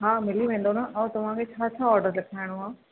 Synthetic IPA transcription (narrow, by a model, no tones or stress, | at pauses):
ɦaːmɪliʋẽːn̆d̪onaʔɛ̃ːt̪ɐʋ̤ãkʰet͡ɕʰaːt͡ɕʰaɔːɾɖəɾlɐkʰaːɪɽ̃oɦãː